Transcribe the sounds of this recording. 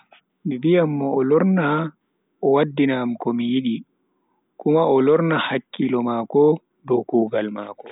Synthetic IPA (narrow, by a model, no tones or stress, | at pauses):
mibijamːɔːlɔɾna | ɔwadːinamkɔmijiɗi | kumaɔlɔɾnahakːilɔmakɔ | dɔkuːɡalmaːkɔ